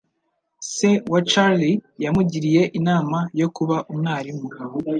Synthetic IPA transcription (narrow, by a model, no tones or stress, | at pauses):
sewat͡ʃaɾlijamuɟiɾije̞ʔinaːmajo̞kuβaʔumnaːɾimu